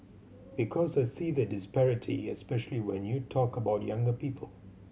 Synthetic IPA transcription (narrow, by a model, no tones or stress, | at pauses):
b̥ɪkʰɔzaɪsiːðədɪspɛɹɪtʰḭɛspɛʃəliwɛ̃njutʰɔkəbaʊtjʌ̃ŋɡəpipʰəl̩ˠ